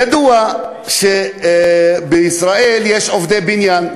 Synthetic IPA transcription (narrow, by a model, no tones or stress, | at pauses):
ad̪ua | ʃe | beisɾaʔeljeʃovd̪ebinjan